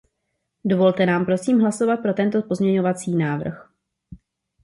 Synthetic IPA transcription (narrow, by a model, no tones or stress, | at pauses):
do̞vo̞lt̪ɛnaːmpɾo̞siːmɦlaso̞vat̪̚pɾo̞t̪ɛnt̪o̞po̞zmɲɛɲo̞vat͡siːnaːvr̩x